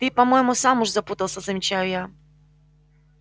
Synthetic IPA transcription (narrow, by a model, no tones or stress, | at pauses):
t̪ɨpɐmojɪmʊsamʊʐzɐput̪əlˠsʲəzəmʲɪt͡ɕajʊja